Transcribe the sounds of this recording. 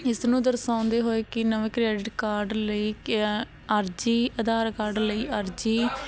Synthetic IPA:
ɪsnũːd̪əɾsãːʊ̃nd̪eːɦoːeːkɪnəʋekɾɛːɖɪʈkaːɾɖləiː | əɾd͡ʒiːəd̪aːɾkaːɾɖləiːʔəɾd͡ʒiː

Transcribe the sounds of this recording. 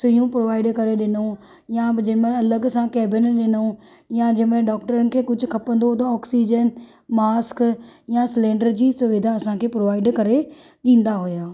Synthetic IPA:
sʊjũpɾoːʋaːɪɖkɐɾeɗɪno | jad͡ʑɐmẽɐləɡsãkɛːbɪnɗɪno | jad͡ʑɐmẽɖɔːkʈəɾənɪ̆kʰeːkʊd͡ʑʱʊkʰɐpə̃nd̪ot̪̬ɐɔːksiːd͡ʑən | maːskjaslẽːɳɖəɾd͡ʑiːsʊʋid̪ʱaɐsãkʰepɾoːʋaːɪɖkɐɾeɗĩːn̆d̪aɦʊjaː

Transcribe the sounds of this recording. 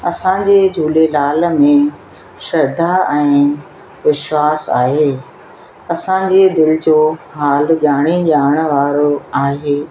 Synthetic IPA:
ɐsãːd͡ʑed͡ʑʱuːlelaːlmẽ | ʃɐɾd̪ʱaɛ̃ː | ʋɪʃwaːsa̰ːɦeː | ɐsã̆d͡ʑed̪ɪlɪd͡ʑoːɦaːlɠaːɽ̃iʄaːəɽ̃ʋaːɾoaːɦeː

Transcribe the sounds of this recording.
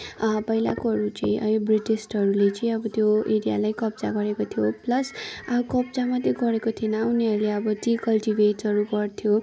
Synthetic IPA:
pʌɦila̰koɦʌɾut͡sʌ̰ĩʔʌ̰ilbriʈisʈʌɾulet͡sʌĩʌbʌt̪joeɾija̰lajkʌp̚d͡za̰ɡʌɾekot̪ʰijoplʌsakʌbd͡zamʌt̪ːeɡʌɾekot̪ʰinʌuniɦʌɾuleʌbʌtikʌlʈibʱeʈʌɾuɡʌrt̪ʰjo

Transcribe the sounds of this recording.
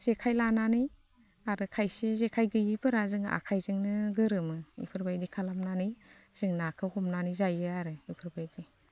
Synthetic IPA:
z̥ekʰajlananɯj | aɾɯkʰajsezekʰajɡɯjipʰɯɾazɯŋa̰kʰajzɯŋnɯɡɯɾɯmɯḭpʰɯɾbajdikʰalamnanɯj | z̥ɯŋnakʰɯhɔmnanɯjzajɯaɾɯipʰɯɾbajdi

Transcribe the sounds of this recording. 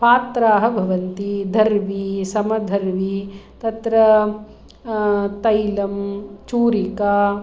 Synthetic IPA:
paːt̪ɾaːɦɐbʱɐʋɐnt̪id̪ʱɐɾʋisɐmɐd̪ʱɐɾʋit̪ɐt̪ɾɐ | t̪ɐjlɐmt͡ʃuːɾikaː

